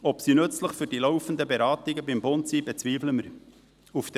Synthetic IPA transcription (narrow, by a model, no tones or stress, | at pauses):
ɔpsinɵt͡sləχfyɾd̥ilɔʊfənd̪əbeɾɑːt̪ɪɡəbɪmbʊnt̪siːb̥ɛt͡sʋiːfləməɾ | uft̪